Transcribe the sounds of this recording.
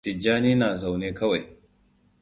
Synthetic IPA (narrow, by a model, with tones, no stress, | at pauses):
tɪ˨d͡ʒaː˦niː˦naː˨za˨wneː˦kɐ˦wa˨j